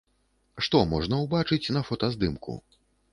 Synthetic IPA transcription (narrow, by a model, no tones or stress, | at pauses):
ʂt̪ɔmɔʐnɐwbat͡ʂɨt͡sʲnɐfɔt̪ɐzd̪ɨmkṵ